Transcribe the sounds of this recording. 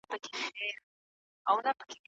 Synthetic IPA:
pəkeʃeɾ | awnapə̥ke

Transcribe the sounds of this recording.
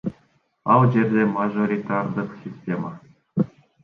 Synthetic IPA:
ɑlˠʑerʲdʲemaʐoɾʲit̪ard̪ɯχsʲisʲtʲema

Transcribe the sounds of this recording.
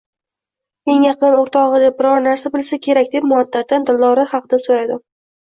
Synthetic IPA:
e̞ŋjɑqɨnoɾt̪ʰɒʁɨd̪ep̚bɪɾɒɾnaɾsabɪlsakʲʰe̞ɾakʲd̪e̞pmʊɒt̪ʰːat̪̚t̪ːand̪ɪlˠːɒɾɪhɑqɨd̪asoɾad̪ɪm

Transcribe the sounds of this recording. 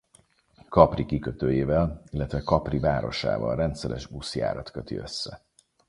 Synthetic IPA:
kɒprikikøt̪øːjeːvɛlilːɛt̪ʋɛkɒprivaːɾo̞̰ʃa̰ːvɒ̰lrɛnt̪sɛɾɛ̰ʃuːsja̰ːɾɒt̪kø̞t̪ḭø̞̰sːɛ

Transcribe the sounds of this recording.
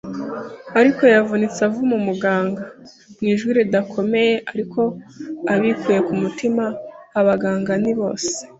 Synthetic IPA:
aɾiko̞javunit͡savumumuɡaːŋɡa | mŋiːʒwiɾidakʰo̞me̞je̞ʔaɾikʰo̞aβikʰuːje̞kumutimaːβaɡaːŋɡaniβo̞̰ːse̥

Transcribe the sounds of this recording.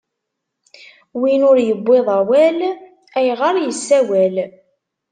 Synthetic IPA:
winʊɾjəbːeðˤæwæl | æjʁəɾjəsːæwæl

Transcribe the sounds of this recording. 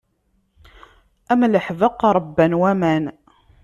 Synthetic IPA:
æmləħvəqːɾˤbːænwæmæn

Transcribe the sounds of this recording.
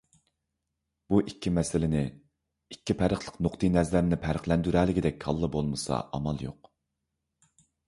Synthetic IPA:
b̥uʔikʲʰːimɛsɪlɪnɪ | ikʲːipʰæɾəχlˠəqnoqt̪ʰɨjnæzlæɾnɪpʰæɾəχlɛnd̪yɾælɪkʲid̪ɛkʲhɑlˠːɨbolˠmɨsɑ̰ʔɑmɑlˠjo̰q

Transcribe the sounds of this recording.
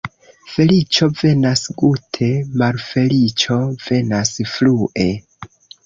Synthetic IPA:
fe̞lit͡ʃo̞ve̞nasɡutʰe̞malfe̞lit͡ʃo̞ve̞nasfluʔe̞

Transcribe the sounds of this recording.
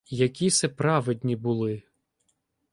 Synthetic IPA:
jɐkʲisɛpɾɑʋed̪ʲnʲibʊlˠɪ

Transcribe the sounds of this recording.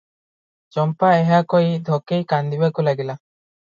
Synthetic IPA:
d͡ʒɔmpaeɦakoid̪ʱɔkejkand̪ibakulaɡila

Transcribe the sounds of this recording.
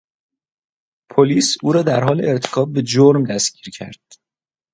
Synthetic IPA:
pʰoliːsuːɾɒːd̪æɾɦɒːleeɾt̪ʰe̥kʰɒːb̚be̞d͡ʒoɾmd̪æsciːɾcʰæ̰ɾd̪̥̚

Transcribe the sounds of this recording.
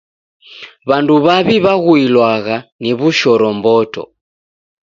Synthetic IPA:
βanduβaβiβaɣuilwaɣaniβuʃɔɾɔmbɔtɔ̰

